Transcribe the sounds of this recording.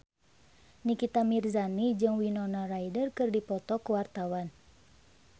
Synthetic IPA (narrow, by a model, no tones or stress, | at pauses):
nikit̪amirzanid͡ʒɨŋwinɔnarajdərkɨrdipɔt̪ɔkuwart̪awan